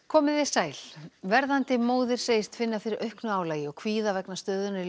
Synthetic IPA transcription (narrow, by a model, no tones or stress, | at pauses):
kʰɔːmɪðɪ̥saːjl̥vɛɾðant̪ɪmoːwðɪɾ̥seːjɪst̪fɪnːafɪɾɪɾʔœɥhknʏaːwlaːjɪɔɣkʰviːðavɛknḁst̪œːðʏnaɾi